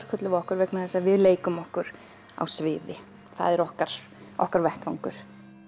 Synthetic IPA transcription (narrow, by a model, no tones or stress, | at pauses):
ɾ̥kʰœt̪lɪvɔhkʏɾvɛknaθɛsavɪðleːjkʏmɔhkʏɾ̥ | a̰wsvɪːðɪ | θa̰ðɛɾɔhkaɾ̥ | ɔ̰hkaɾvɛht̪vawŋkʏɾ̥